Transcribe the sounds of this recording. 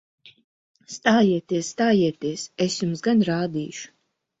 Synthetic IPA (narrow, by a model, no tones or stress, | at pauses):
st̪aːjiɛt̪iɛsːt̪aːjiɛt̪iɛsɛsjumsɡanɾaːd̪iːʃu̥